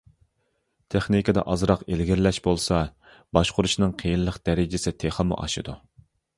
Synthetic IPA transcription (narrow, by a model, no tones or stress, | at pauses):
t̪ʰeχnikʲɑd̪ɛ̰ʔɑzɾɑqelɡʲɪɾlɛʃbolˠsɑ | bɑʃqʰʊɾuʃnɨŋqʰejinlˠəqd̪̥ɛɾɪd͡ʒɪsɪt̪ʰeχəmṵʔɑ̰ʃɨd̪u